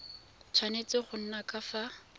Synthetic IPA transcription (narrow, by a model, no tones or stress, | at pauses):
t͡sʰwanet͡sɪχʊn̩nakafa